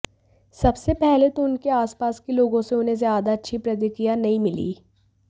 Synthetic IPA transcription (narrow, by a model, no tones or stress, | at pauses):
sɐbsepɛɦlet̪oʊnkeaːspaːskeloːɡõseʊnɦẽzjaːd̪aɐtːʃʰipɾɐt̪̬ɪkijanɐɦĩmɪlḭː